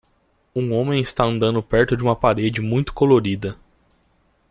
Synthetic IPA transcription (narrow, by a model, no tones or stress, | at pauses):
ũõmẽj̃ɪst̪aɐ̃nd̪ɐ̃nd̪ʊpɛɾt̪ʊd͡ʒɪũmɐpaɾed͡ʒɪmũj̃t̪ʊ̥koloɾid̪ɐ